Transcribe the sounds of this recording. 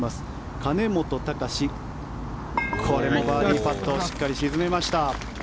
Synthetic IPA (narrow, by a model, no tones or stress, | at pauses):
masɨ̥ | kane̞mo̞t̪o̞t̪akaɕi | kʰoɾe̞mo̞baːɾɾʲipat̪ːo̞ɕi̥kːaɾʲiɕizɨme̞maɕi̥t̪a